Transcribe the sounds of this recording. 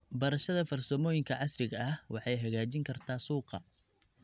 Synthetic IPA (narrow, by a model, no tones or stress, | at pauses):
bɐɾɐʃɐðɐfɐrsɐmɔːjɪŋkʰɐʕɑsrɪɣɐɐhwʔɑħɑjɦɐɣaːt͡ʃɪŋkʰɐrt̪ʰaːsuːqɑ̰